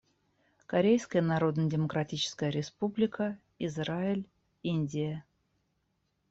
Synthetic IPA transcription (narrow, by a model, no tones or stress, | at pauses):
kɐɾʲejskəjənɐɾo̞d̪nədʲɪməkɾɐtʲit͡ɕɪ̥skəjəɾʲɪspublʲɪkə | ɪzraɪlʲ | inʲdʲɪjə